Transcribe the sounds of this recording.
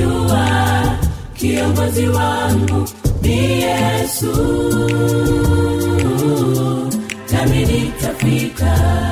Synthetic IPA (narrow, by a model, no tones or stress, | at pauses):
ua | kiɔŋɡɔziwaŋɡunijɛsu | kaminikafɾika